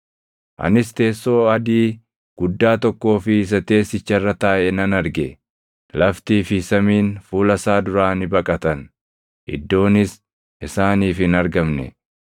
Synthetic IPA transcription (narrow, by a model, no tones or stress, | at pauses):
ʔɐ̰nɪst̪e̞ːsːo̞ːɐd̪iː | ɡ̥ʊd̪ːaːt̪ɔkːo̞ːfɪs̬ɐt̪e̞ːsɪt͡ʃːɐrːɐt̪aːʔɛnɐnɐɾɡɛ | lɐft̪iːfiːsɐmiːnfuːlɐsaːd̪ʊɾaːnɪbɐkʼɐt̪ɐn | ʔɪ̰d̪ːo̞ːnɪs | ʔɪsaːniːfɪnɐɾɡɐmnɛ̰